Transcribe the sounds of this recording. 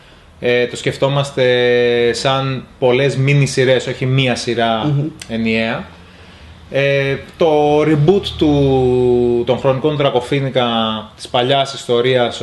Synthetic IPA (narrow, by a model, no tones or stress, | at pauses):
et̪o̞sce̞ft̪o̞mɐst̪e̞sɐnpo̞le̞zminisiɾe̞so̞çimiɐsiɾɐe̞nie̞ɐ | et̪o̞ɾibut̪ːu | t̪o̞ŋxɾo̞niko̞nd̪ɾɐko̞finikɐt̪i̥spɐʎɐsist̪o̞ɾiɐs